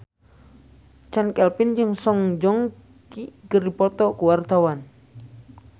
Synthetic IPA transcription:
t͡ʃankɛlpind͡ʒɨŋsɔŋd͡ʒɔŋ | kiɡəripɔt̪ɔkuwart̪awan

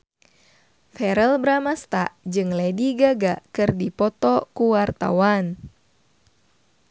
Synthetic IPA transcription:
fɛɾɛlbɾamast̪a̰d͡ʒɨŋlɛdiɡaɡakɨrdipɔt̪ɔkuwart̪a̰wan

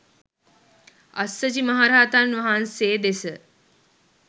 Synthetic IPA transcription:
ɐ̰sːəd͡ʒimɐɦaɾaːt̪anʋɐɦanseːd̪esə

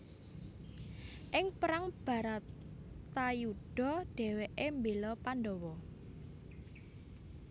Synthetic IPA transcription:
ʔɪŋpəɾaŋb̥ä̤ɾat̪ajuɖ̥ɔ̤ɖ̥ɛ̤weʔembelɔpanɖɔwɔ

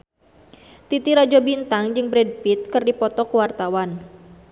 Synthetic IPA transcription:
t̪it̪iɾad͡ʒɔbint̪aŋd͡ʒɨŋbɾɛd̚pit̪̚kɨrdipɔt̪ɔkəwart̪awan

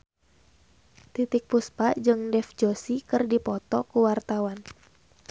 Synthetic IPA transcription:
t̪it̪ik̚puspad͡ʒɨŋdɛfd͡ʒosikɨrdipɔt̪ɔkuwart̪awan

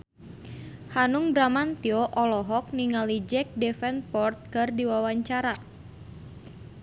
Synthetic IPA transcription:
hanuŋbɾamant̪iɔʔɔlɔɦɔk̚niŋalid͡ʒɛk̚dɛfɛnpɔrt̪̚kɨrdiwawaɲt͡ʃaɾa

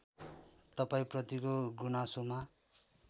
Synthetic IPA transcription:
t̪ʌpaĩprʌt̪ikoɡunasoma

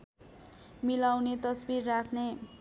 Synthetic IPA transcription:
milawnet̪ʌsbirːakʰne

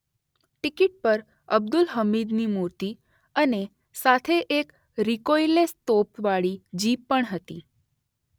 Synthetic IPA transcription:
ʈikiʈ̚pəɾ | əb̚d̪ulɦəmid̪nimuɾt̪i | əne | sat̪ʰeʔek | ɾikojlest̪opʋaɭid͡ʒipːəɳɦət̪ḭ

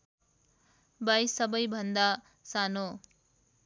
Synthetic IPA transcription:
bajsʌbʌjbʱʌnd̪a | sano

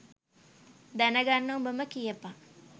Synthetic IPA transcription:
d̪anəɡanːobəməkijəpa

